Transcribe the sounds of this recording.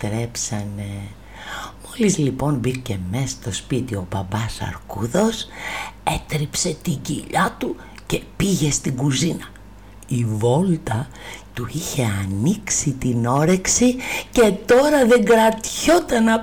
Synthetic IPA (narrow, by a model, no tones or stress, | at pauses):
t̪ɾe̞psɐne | mo̞lizlipo̞nbice̞mest̪o̞spit̪io̞bɐbɐsɐ̰ɾkuðo̞set̪ɾipse̞t̪iɟḭʎɐt̪u | ce̞piʝe̞st̪iɡuzinɐ | ivo̞lt̪ɐ | t̪uiçe̞ɐniksit̪ino̞ɾe̞ksice̞t̪o̞ɾɐðe̞ŋɡɾɐt̪ço̞t̪ɐnɐ